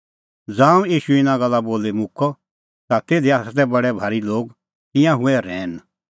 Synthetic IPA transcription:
d͡zãːũiːʃuɪnãɡɐlːaboːlemʊkʰɔ | t̪at̪eːd̪iasat̪̬ɛbɐɽɛbʱaːɾiloːɡ | t̪ɪ̃jãɦũɛɾɛːn

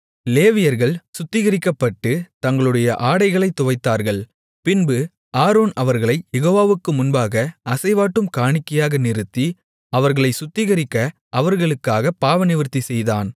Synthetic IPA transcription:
leːʋɪjɐɾɣɐɭsʊt̪ːɪɣɐɾɪkːɐpːɐʈːɯt̪ɐŋɡɐɭɯɽɐjɐʔaːɽɐɪɣɐɭɐɪt̪ːʊʋɐɪt̪ːaːɾɣɐɭ | pɪnbɯ | aːɾoːnɐʋɐɾɣɐɭɐɪjɛɣoːʋaːʋɯkːɯmʊnbaːɣɐɐsɐɪʋaːʈːɯmkaːɳɪkːɐjaːɣɐnɪɾɯt̪ːi | ɐʋɐɾɣɐɭɐɪsʊt̪ːɪɣɐɾɪkːɐ | ʔɐʋɐɾɣɐɭɯkːaːɣɐpaːʋɐnɪʋɪɾt̪ːisɛjðaːn

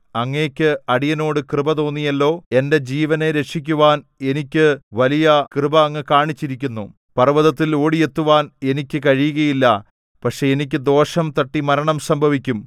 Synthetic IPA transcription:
ɐŋːeːkʲːɨɐɽijɐno̞ːɽɨkrɨbɐt̪o̞ːnːijɐlːo̞ːe̞nde̞d͡ʑiːʋɐne̞ɾe̞ʂik̬ʲːuʋaːne̞nikʲːɨʋɐlijɐkrɨbɐːŋːekaːɳit͡ɕːiɾikʲːunːu | pɐrʋɐðɐt̪ːilo̞ːɽije̞t̪ːuʋaːne̞nikʲːɨkɐɻijuɣɐjilːɐ | pɐkʂe̞enik̬ʲːɨd̪o̞ːʂɐmt̪ɐʈːimɐɾɐɳɐmsɐmbʱɐʋikʲːum

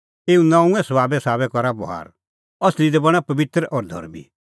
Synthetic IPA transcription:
eːũnãːũɛ̃sɐbaːbɛsaːbɛkɔɾabɔɦa̰ːɾ | ɐslid̪ɛbɐɽ̃apɐbɪt̪ɾəʔɔːɾd̪ʱɔ̰ɾmḭ

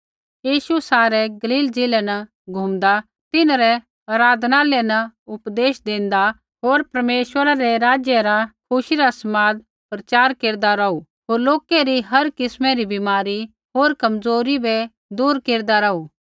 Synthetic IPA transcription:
jiːʃusaːɾɛɡɐliːld͡zɪlɛnɐ | ɡʱumd̪a | t̪ɪnɾɛ | ɐɾaːd̪ʱnalɛnɐʊpd̪eːʃd̪ẽːnd̪a | ɦoːɾpɐɾmeːʃwəɾaɾɛɾaːd͡ʒjɛɾakʰʊʃiɾasɐmaːd̪̚ | pɾɐt͡ʃaːɾkeːɾd̪aɾɐu | ɦoːɾloːkɛɾiɦɐɾkɪsmɛ̃ɾibɪmaːɾi | ɦoːɾkɐmzoːɾibɛ | d̪uːɾkeːɾd̪aɾɐuː

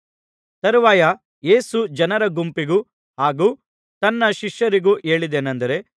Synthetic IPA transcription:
t̪ɐɾuʋaːjɐ | je̞ːsud͡ʒɐnɐɾɐɡumpiɡuː | ɦaːɡuː | t̪ɐnːɐʃiʃjɐɾiɡuːʔeːɭid̪eːnɐnd̪ɐɾe̞

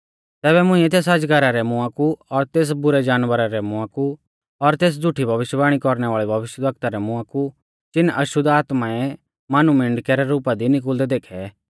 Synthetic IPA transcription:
t̪ɛːbɛmʊ̃ĩɛt̪̬eːsɐd͡ʒɡɐɾaɾɛmʊãkuɔɾt̪eːs̬bʊɾɛd͡ʒaːnʋəɾaɾɛmʊ̃ãku | ɔɾt̪eːs̬d͡zʱʊʈʰibʱɐʋɪʃjbaːɽ̃ikɔɾnɛʋaːɭibʱɐʋɪʃjəd̪ʋɐkt̪aɾɛmʊ̃ãku | t͡ʃɪnʔɐʃʊd̪aːt̪maɛ | maːnumɪ̃ɳɖkɛɾɛɾuːpad̪inɪk̬ʊld̪ɛd̪eːkʰɛ

